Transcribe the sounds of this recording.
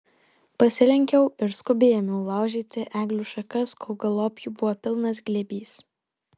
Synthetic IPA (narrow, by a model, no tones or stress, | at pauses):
pɐsʲɪlʲɛŋʲkʲɛʊɪɾskʊbʲeːjoːmʲɛʊlˠɑˑʊʒʲiːt̪ʲɪʔæːɡlʲuːʃɐkɐskʰoːlˠɡɐlˠoːpʲjubʊʋoːpʲɪlˠnɐsɡlʲɛbʲiːs